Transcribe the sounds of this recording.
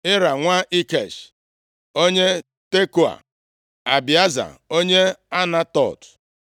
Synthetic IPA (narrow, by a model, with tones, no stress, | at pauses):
ɪ˦ɾa˨ŋʷa˦ʔi˦ke˨ʃ | o˦ɲe˦ | te˦ku˨a̰˨ | a˨bi˨a˦za̰˨o˦ɲe˦a˦na˦tɔ̰˦˨t